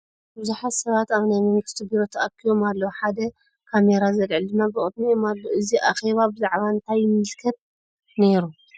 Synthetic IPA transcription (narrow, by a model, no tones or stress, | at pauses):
bɨzuħat̪sɐβat̪aβnajmɨmɨkt̪ʰɨbiɾot̪ʰɐʔakʰːijo̞malːɐwħad̪ɐ | kʰame̞ɾazɐlʕɨld̪ɨnːabɨʔʼɨd̪̚nijomalːoʔɨziʔaxe̞βabɨzaʕβaɨnt̪ʰajːɪmːɨlkʰɐt̪̚ | ne̞ɾu